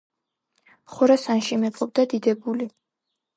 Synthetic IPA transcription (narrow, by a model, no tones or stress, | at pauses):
χɔɾasanʃimɛqʼɔb̚d̪ad̪id̪ɛbuli